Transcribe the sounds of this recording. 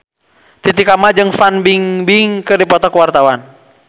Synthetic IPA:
t̪it̪ikamad͡ʒɨŋfanbiŋbiŋkədipɔt̪ɔkuwart̪awan

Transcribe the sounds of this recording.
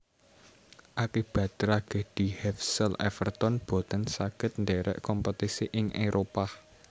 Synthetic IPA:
ʔakib̥ä̤t̪ɾaɡ̥e̤d̪̥i̤hɛfsəlʔɛ̰fərt̪ɔnb̥o̤t̪ənsaɡ̥ə̤t̪̚nd̪ɛɾɛ̰ʔkɔmpət̪isiʔɪŋʔeɾʔopah

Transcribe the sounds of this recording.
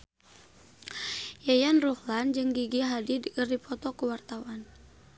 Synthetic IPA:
jajanruhland͡ʒɨŋɡiɡiɦadidkɨrdipʰɔt̪ɔkuwart̪awan

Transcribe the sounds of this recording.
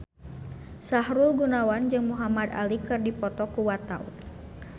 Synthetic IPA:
saɦɾulɡunawand͡ʒɨŋmuɦamad̪a̰likɨrdipɔt̪ɔkuwat̪a̰ṵ

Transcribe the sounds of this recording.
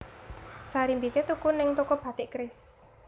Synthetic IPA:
saɾimbit̪et̪ukʊnːɪŋt̪ukɔb̥ä̤t̪ɪʔkɾɪs

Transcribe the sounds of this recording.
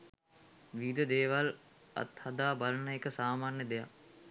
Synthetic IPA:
ʋiːd̪əd̪eːʋal | ɐ̰t̪had̪aːbalənəekəsaːmaːnjəd̪eja̰

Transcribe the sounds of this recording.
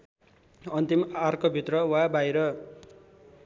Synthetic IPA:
ʌnt̪imarkʌbʱit̪rʌwabajɾʌ

